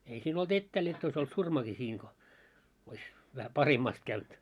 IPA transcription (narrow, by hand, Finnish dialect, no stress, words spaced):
ei siːn olt etːæːl jotː ois olt surmɑki siːŋ ko ois ʋæhæ pɑhemːɑst kæynt